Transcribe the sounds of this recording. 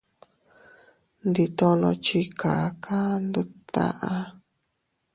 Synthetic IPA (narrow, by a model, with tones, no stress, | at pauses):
nd̪i˧t̪õ˧lõ̰˧t͡ʃi˧kʰa˨˦kʰa˦nd̪u˦t̪a̰˧ʔa˧